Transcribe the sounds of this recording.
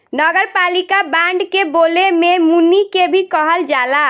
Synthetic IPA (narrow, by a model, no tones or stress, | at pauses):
nəɡəɾpalikabãɳɖkebolememunːikebʱikəɦəld͡ʒala